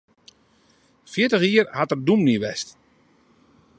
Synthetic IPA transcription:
fjɪtəxiːərhatərdumniʋɛst

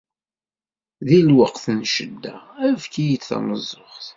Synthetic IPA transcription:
ðilwəqθənʃəd̪ːæævkijit͡sθɑ̰nəzˤːʊχθ

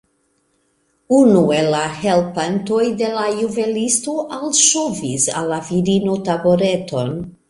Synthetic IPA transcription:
unue̞lahe̞lpanto̞jde̞lajuve̞listoʔalʃovisa̰lːaviɾinotaboɾe̞to̞n

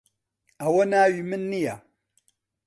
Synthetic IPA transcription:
awonawimənːija

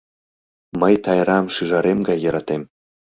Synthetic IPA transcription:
məjt̪ɑjɾɑmʃiʒɑɾemɡɑjːɤ̆ɾɑt̪em

